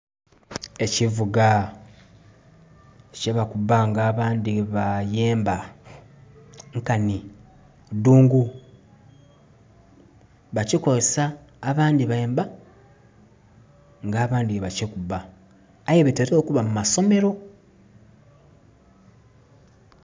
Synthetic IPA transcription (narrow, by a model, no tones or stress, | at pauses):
e̞civuɡa | ceβakubaŋɡaːβaːndiβajeːmba | ŋkani | duːŋɡu | βacikozesaː | βaːndiβaeːmba | ŋɡaːβaːndieβacekubaː | jeβeteɾeo̞ːkuβamumaso̞me̞ɾo̞